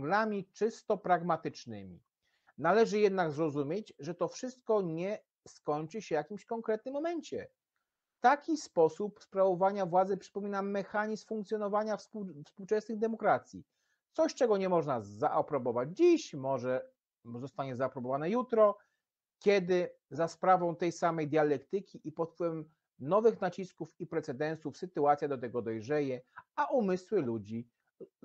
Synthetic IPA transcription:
ɡlamʲit͡ʂɘst̪ɔpɾaɡmat̪ɘt͡ʂnɘ̰mʲḭ | nalɛʐɘjɛd̪naɡzɾɔzumʲjed͡ʑʐɛt̪ɔfʂɘst̪̚kɔɲɛ | skɔɲt͡ʂɘɕɛvjakʲimɕkɔŋkɾɛt̪̚nɘmːɔmɛɲt͡ɕɛ | t̪akʲispɔsupspɾavɔvaɲavwad̪zɘpʂɘ̥pɔmʲinamːɛxaɲisfuŋk̚t̪sʲjɔnɔvaɲafspufspuwt͡ʂɛsnɘɣd̪ɛmɔkɾat̪sʲjḭ | t̪sɔɕt͡ʂɛɡɔɲɛmɔʐnazaʔɔpɾɔbɔvad͡ʑd͡ʑiɕmɔʐɛ | zɔst̪aɲɛzaːpɾɔbɔvanɛjut̪ɾɔ | kʲjɛd̪ɘzaspɾavɔ̃w̃t̪ɛjsamɛjd̪ʲjalɛkt̪ɘkʲiʔipɔt̪̚pwɘvɛɛm | nɔvɘxnat͡ɕiskufipɾɛt̪sɛd̪ɛnsufsɘt̪uat̪sʲjad̪ɔt̪ɛɡɔd̪ɔjʐɛjɛaʔumɘswɘlud͡ʑi

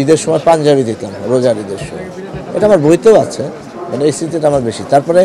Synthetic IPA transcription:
id̪eɾʃɔmɔepand͡ʑabid̪it̪lamɾod͡ʑaɾid̪eɾʃɔ̰mɔ̰ḛʈaamaɾbojt̪ooat͡ɕʰe | maneejst̪ɾit̪iʈaamaɾbeʃit̪aɾpɔɾe

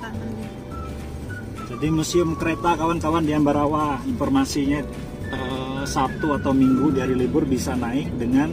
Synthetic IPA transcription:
d͡ʒadimusiəmkəɾet̪akawankawandiambaɾawainfɔrmasiɲa | əsat̪uat̪awmiŋɡudaɾilibʊrbisanaɪk̚dəŋan

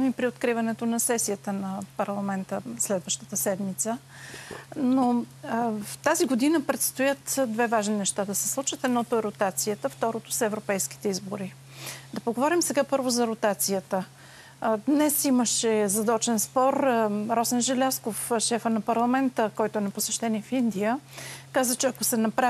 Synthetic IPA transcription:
mipɾiot̪kɾivɐnɛt̪onɐsɛsijət̪ənɐpɐɾlˠɐmɛnt̪əslɛd̪vəʃt̪ət̪əsɛd̪mit̪sə | no | ft̪aziɡod̪inəpɾɛt̪st̪ojət̪d̪vɛvaʒninɛʃt̪ad̪ɐsɛ̥slˠut͡ʃvət̪ɛd̪nɔt̪oɛɾot̪at̪sijət̪əft̪ɔɾot̪ʊ̥sɛvɾopɛjski̥t̪ɛizboɾi | d̪ɐpoɡovɔɾimsɛɡapɤɾvozɐɾʊt̪at̪sijət̪ə | d̪nɛsiməʃɛzɐd̪ɔt͡ʃɛnspɔɾɾɔsɛnʒɛlʲaskofʃɛfənɐpɐɾlˠɐmɛnt̪əkɔjt̪oɛnɐposɛʃt̪ɛniɛfind̪ijəkazət͡ʃɛɐkosɛnɐpɾa

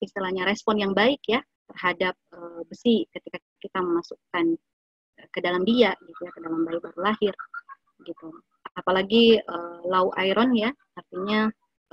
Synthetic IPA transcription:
ist̪ilahɲaɾɛspɔnjaŋbaɪkja | t̪ərɦadap̚əːbəsikət̪ika | kit̪aməmasukan | əkədalamdiaʔɡit̪ujakədalambaɪk̚baɾulahɪr | ɡit̪u | aapalaɡiəlauʔaiɾɔnjaː | rt̪iɲa

